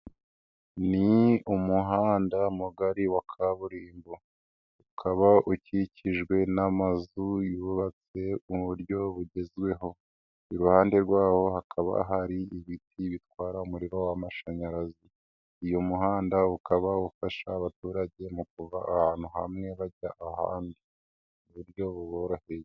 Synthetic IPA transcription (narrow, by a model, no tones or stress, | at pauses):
niumuɦaːndamuɡaɾiwakʰaβuɾiːmbo | ukʰaβauciciʒɡwe̞namazujuβat͡se̞uβuɾɟo̞βuɟe̞zɡwe̞ɦo̞ | iɾuhaːnde̞ɾɡwaːho̞hakʰaβa̰ɦaɾiiβitʰiβitwaːɾaumuɾiɾo̞wamaʃaɲaɾaziː | jomuhaːndaukaβaufaʃa̰ːβatuːɾaɟe̞muk̚uva̰ːhaːn̥huha̰mŋe̞βaɟaʔaha̰ːndi | uβuɾjo̞βuβoɾaheje